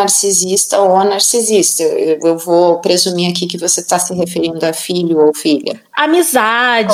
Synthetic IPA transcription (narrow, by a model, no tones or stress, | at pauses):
aɾsizist̪ɐowanaɾsizist̪ɐewewvopɾezumiakikɪvoset̪asɪɦefeɾĩnd̪ʊafiʎʊowfiʎɐ̰ | amizad͡ʒ